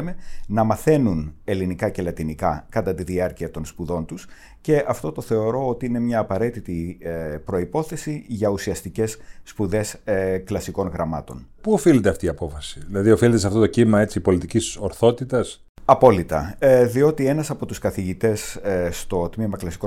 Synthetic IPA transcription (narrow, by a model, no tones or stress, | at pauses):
me̞nɐmɐθe̞nune̞linikɐce̞lɐt̪inikɐkɐt̪ɐt̪iðiɐɾciɐt̪o̞nspuðo̞nt̪us | ce̞ʔɐft̪o̞t̪o̞θe̞o̞ɾo̞ot̪iine̞mɲɐːpɐɾe̞t̪it̪ipɾo̞ipo̞θe̞siʝɐusiɐst̪ice̞sːpuðe̞sklɐsiko̞nɣɾɐmɐ̰t̪o̞npuofilet̪eɐft̪iːɐpo̞fɐsiðilɐðiofilet̪esɐft̪o̞t̪ocimɐe̞t͡sipo̞lit̪icisoɾθo̞t̪it̪ɐs | ɐpo̞lit̪ɐ̰ðio̞t̪ie̞nɐsɐpo̞t̪uskɐθiʝit̪e̞sst̪o̞t̪mimɐklɐsi̥ko